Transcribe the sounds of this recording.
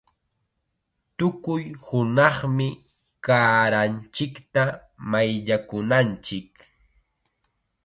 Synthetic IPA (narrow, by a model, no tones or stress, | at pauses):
t̪ʊkʊjhʊnɑχmɪ | kaːɾant͡ʃɪkt̪a | majʎakʊnant͡ʃɪk